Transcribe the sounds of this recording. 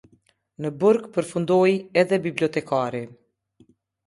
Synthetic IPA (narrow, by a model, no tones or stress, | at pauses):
nəbuɾɡpəɾfund̪ɔjɛðɛbibliɔt̪ɛkaɾi